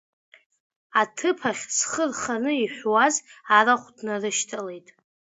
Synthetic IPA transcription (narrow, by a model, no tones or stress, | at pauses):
atʰɨpʰaχʲsχərχanɨiħʷwazaraχʷdnarɨʃtʰale̞jtʼ